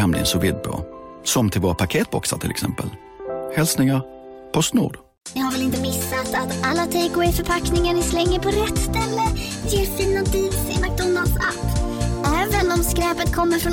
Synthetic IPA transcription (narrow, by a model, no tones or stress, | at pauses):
ɛmlɪ̰ənsɔvɪ̰d̪̚pʰo̰sɔmt̪ʰɪlvoːɾapʰakʰeːt̪̚bɔksa̰t̪ʰɪlʔɛ̰ksɛ̰mpə̰l | hɛlsnɪŋaɾ | pʰɔst̪nṵːd̪ | nɪhaɾvɛlɪnt̪əmɪsːat̪at̪alːat̪ʰɛkwɛjfœɾpʰaknɪŋaɳɪslɛŋːəɾpʰɔɾɛt̪ːst̪ɛlːəjeːɾfiːnad̪iːvsḛnak̚d̪ɔnːalsa̰pːɛːvənɔmskɾɛːpət̪̚kʰɔmːəɾfɾɔn